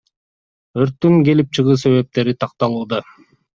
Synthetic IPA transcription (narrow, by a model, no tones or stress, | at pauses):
øɾt̪ːyŋɡe̞lip̚t͡ʃʰɯʁɯːse̞βe̞p̚t̪e̞ɾit̪ʰɑq̚t̪ɑlˠuːd̪ɑ